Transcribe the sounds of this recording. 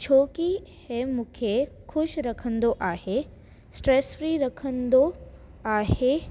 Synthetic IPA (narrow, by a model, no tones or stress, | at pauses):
t͡ʃʰoːkihemũkʰe | kʰʊʃɾɐkʰə̃nd̪oʔaːhe | sʈɾeːsfɾiːɾɐkʰə̃nd̪o | aːhe